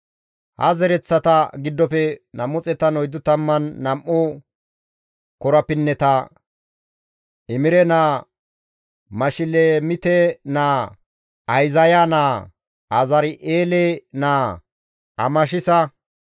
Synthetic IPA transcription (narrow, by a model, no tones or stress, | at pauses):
hɐ̰zɛɾɛt͡sːɐt̪ɐɡɪd̪ːɔpɛnɐmːʊt͡sʼɛt̪ɐnɔjd̪ʊt̪ɐmːɐnːɐmʔʊ | kɔɾɐpɪnːɛt̪ɐ | ɪmɪɾɛnaː | mɐʃɪleːmɪt̪enaː | ɐjzɐjanaː | ɐzɐɾɪʔeːleːnaː | ɐ̰mɐʃ̬ɪsɐ